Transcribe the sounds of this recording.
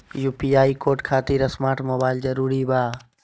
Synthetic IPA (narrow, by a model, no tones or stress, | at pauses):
juːpiaːikoːʈkʰaːt̪iɾəsmaːʈmoːbaːɪld͡ʒəɾuːɾibaː